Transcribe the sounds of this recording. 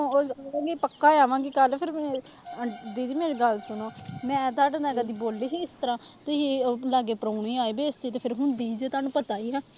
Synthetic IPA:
ãːɡiːpəkːaːaːʋãːɡiːkəlpʰɪɾmɛ̃ːəd̪iːimeːɾeːɡəlsʊnoːmɛ̃ːɛːt̪aːʈə̃nd̪ɛːɡaːd̪iːboːlːiːɦiːɪst̪əɾãːt̪ɪilaːɡeːpɾoːɳiːaːiːbeːɪst̪iːt̪eːpʰɪɾɦʊnd̪iːd͡ʒət̪aːnũːpət̪aːiːãː

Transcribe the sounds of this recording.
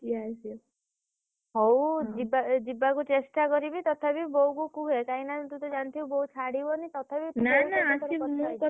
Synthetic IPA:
kiajsi | ɦowd͡ʒibad͡ʒibakut͡ʃesʈakɔɾibit̪ɔt̪ʰabiboukukuɦekainat̪ut̪ɔd͡ʒant̪ʰiubɔut͡ʃʰaɽibɔnit̪ɔt̪ʰabipnaanaasɔiɔũkɔ

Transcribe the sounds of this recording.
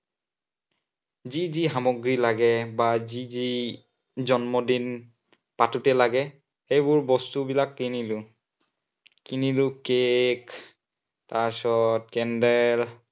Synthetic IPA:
ziziɦamɔɡɹilaɡɛbazizi | zɔnmɔdin | patutɛlaɡɛ | ejbʊɹbɔstubilakːinilʊ | kinilʊkek | tasɔt̚kɛndɛl

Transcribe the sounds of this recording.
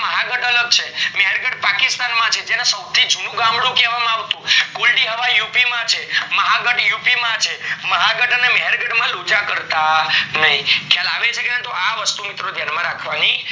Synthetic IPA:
məɦaɡəʈələɡ̚t͡ʃʰemɛɦɛɾɡəʈpakɪst̪anmãt͡ʃʰed͡ʒenasəb̚t̪ʰid͡ʒunũɡambɽũkɛʋamãaʋt̪ũkulɖiɦəʋajupimãt͡ʃʰeməɦaɡəʈjupimãt͡ʃʰeməɦaɡəʈənemɛɦɛɾɡəʈmãlud͡ʒakəɾt̪anəɦĩkʰjalaʋet͡ʃʰekeãt̪oaʋəst̪umɪt̪ɾod̪ʱjanmãɾakʰʋani

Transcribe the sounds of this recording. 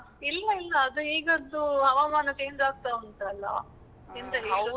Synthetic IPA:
ilːɐilːɐːd̪ueːɡɐd̪ːuɦɐʋaːmaːnɐt͡ʃe̞ːɲd͡ʒaːɡ̚t̪aunt̪ɐlːɐ̰ | int̪ɐɦeːɾu

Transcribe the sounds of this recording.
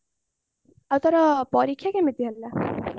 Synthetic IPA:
awt̪ʌɾʌpʌɾikʰjakemit̪iɦʌlːa

